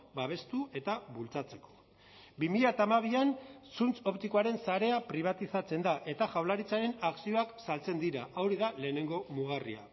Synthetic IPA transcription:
baβ̞e̞st̪ue̞t̪aβult͡sat͡se̞ko̞̥ | bimiʎat̪aːmaβ̞iansunt͡so̞pt̪iko̞aɾe̞nsaɾe̞apɾiβ̞at̪isat͡se̞nd̪aʔe̞t̪aʝawlaɾit͡saɾe̞naksio̞aksalt͡se̞nd̪iɾaʔawɾiðale̞ːne̞ŋɡo̞muɣ̞aria̰

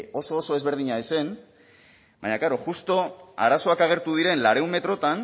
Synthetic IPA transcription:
o̞so̞ːsoe̞zβe̞ɾðiɲaese̞n | baɲakaɾo̞ʝust̪o̞a̰ɾaso̞akaɣ̞e̞ɾt̪uð̞iɾe̞nlaɾe̞umme̞t̪ɾo̞t̪an

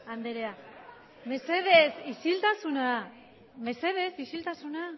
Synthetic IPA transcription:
and̪eɾea | me̞se̞ðesisilt̪asuna | me̞se̞ðe̞sisilt̪asuna

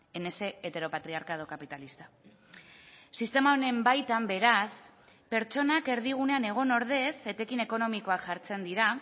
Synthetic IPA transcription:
e̞ne̞se̞et̪e̞ɾo̞pat̪ɾiaɾkað̞o̞kapit̪alist̪ḁ | sist̪e̞maone̞mbajt̪ambe̞ɾas | pe̞ɾt͡ʃo̞nake̞ɾðiɣ̞une̞ane̞ɣ̞o̞no̞ɾð̞e̞se̞t̪e̞kine̞ko̞no̞miko̞akʝaɾt͡se̞nd̪iɾa

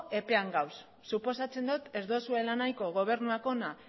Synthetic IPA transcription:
e̞pe̞aŋɡawsː | upo̞sat͡se̞nd̪ut̪e̞zðo̞sue̞lanajko̞ɣ̞o̞β̞e̞ɾnuako̞na

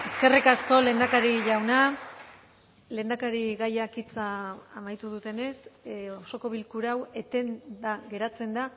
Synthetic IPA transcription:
e̞ske̞rikasko̞le̞nd̪akaɾiʎawna | le̞nd̪akaɾiɣajakit͡saːmajt̪uð̞ut̪e̞ne̞soso̞ko̞β̞ilkuɾawe̞t̪e̞nd̪aɣe̞ɾat͡se̞nd̪a

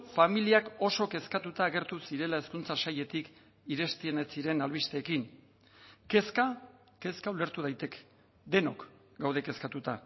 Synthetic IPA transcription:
familiako̞so̞ke̞skat̪ut̪aːɣe̞ɾt̪usiɾe̞lae̞skunt͡sasaje̞t̪ik | iɾe̞st̪iene̞t͡siɾe̞nalβist̪e̞ːkin | ke̞ska | ke̞skaule̞ɾt̪uð̞ajt̪e̞ke̥ | d̪e̞no̞k | ɡawðe̞ke̞skat̪ut̪a

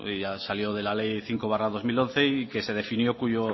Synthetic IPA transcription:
ʝasaljo̞ð̞e̞lale̞jθiŋkoβ̞araðo̞zmilõ̞n̟θe̞ike̞se̞ð̞e̞finjo̞kuʝo

